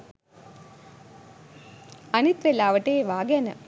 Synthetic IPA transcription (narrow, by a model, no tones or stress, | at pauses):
anit̪ʋelaːʋəʈeːʋaːɡɛnə